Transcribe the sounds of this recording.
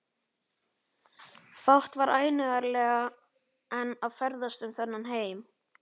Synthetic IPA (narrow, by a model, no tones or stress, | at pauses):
fawht̪vaɾʔaːjnʏɣaɾlɛːɣa | ɛnavfɛɾðast̪ʏmθɛnːanɦeːjm